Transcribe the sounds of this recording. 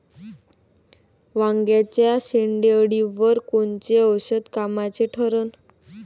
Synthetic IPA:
ʋaŋɡjat͡ɕjaɕeɳɖeəɽiʋəɾkont͡ɕeəwɕəd̪kamat͡ɕeʈʰəɾən

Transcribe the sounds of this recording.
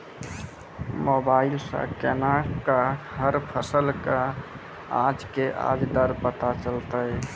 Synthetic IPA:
mobaɪilsə̰̃kenakahəɾpʰəsəlka | ãd͡ʒkeʔa̰d͡ʒd̪əɾpət̪at͡ʃəlt̪əj

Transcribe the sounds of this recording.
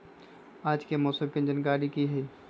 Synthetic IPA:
aːd͡ʒkemɔːsəmkend͡ʒənkaːɾikiɦɛi

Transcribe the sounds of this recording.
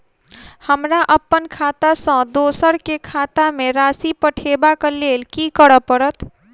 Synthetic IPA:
həmɾaʔəpːənkʰat̪asə̃d̪osəɾkekʰat̪ameɾasipəʈʰebakelelkikəɾəpəɾət̪

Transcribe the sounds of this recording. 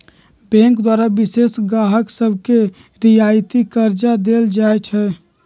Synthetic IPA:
bɛ̃ŋkd̪waɾabisesɡaɦəksəbʱke | ɾijajt̪ikəɾd͡ʒad̪eld͡ʒajt͡ʃʰɛ

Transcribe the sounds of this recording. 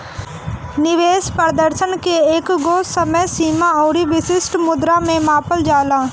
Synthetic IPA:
nɪʋeːspəɾd̪əɾsənkeeːkɡoːsəməjsiːmaɔːɾiʋɪsɪsʈmʊd̪ɾamẽmaːpəld͡ʒaːlaː

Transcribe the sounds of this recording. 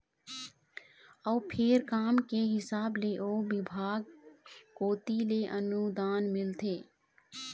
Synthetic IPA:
əːpʰɪɾkaːmkeɦɪsaːbleʔoːbɪbʱaːɡkoːt̪ileʔənud̪aːnmɪlt̪ʰeː

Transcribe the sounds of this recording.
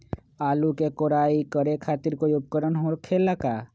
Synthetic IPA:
aːlukekoːɾaːikəɾekʰaːt̪ɪɾkoːiʊp̚kəɾənɦokʰeːlːakaː

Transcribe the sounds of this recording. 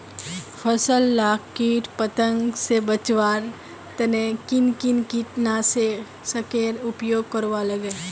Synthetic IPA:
pʰəsəlːaːkːiːʈpət̪ə̃ŋɡsebət͡ʃʋaːɾ | t̪ɐnekɪnkɪnkiʈnase | səkeːɾʊpjoːɡ̚kəɾʋaləɡeː

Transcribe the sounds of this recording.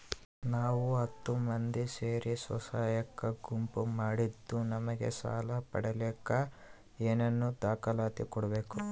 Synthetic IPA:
naːʋuɐt̪ːumɐnd̪iseːɾisʋɐ̰saːjɐkːɐɡumpumaːɽid̪ːunɐmɐɡḛsa̰ːlɐpɐ̰ɽɐlɛːkːɐ | eːnɐnːud̪aːkɐlaːt̪ikɔɽɐbe̞ːku

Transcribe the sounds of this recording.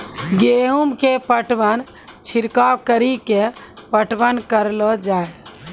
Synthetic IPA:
ɡeɦumkepəʈʋən | t͡ʃʰiɾkakəɾike | pəʈʋənkəɾlɔd͡ʒae

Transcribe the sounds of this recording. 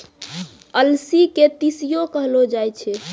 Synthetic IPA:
əlsiket̪isijokəɦlod͡ʒajt͡ʃʰɛ

